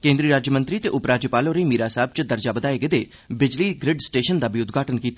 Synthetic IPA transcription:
kẽːnd̪ɾiːɾaːd͡ʒjəmə̃nt̪ɾiːt̪eːʔʊpɾaːd͡ʒjəpaːloːɾeimiːɾaːsaːb̚t͡ʃəd̪əɾd͡ʒaːbəd̪aːeɡəd̪eː | bɪd͡ʒliːɡɾɪɖsʈeːʃənd̪aːbiʊt̪ɡʱaːʈənkiːt̪a

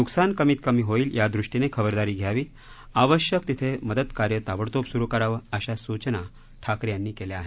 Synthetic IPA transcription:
nuksankəmiːt̪kəmiːɦoiːljad̪ɾuʂʈinekʰəbəɾd̪aɾiːɡʱjaʋiː | aʋəɕjəkt̪it̪ʰeməd̪əd̪kaɾjət̪aʋəɽt̪opsuɾukəɾaʋəəɕasut͡ɕna | ʈʰakɾjanːiːkeljeaɦe

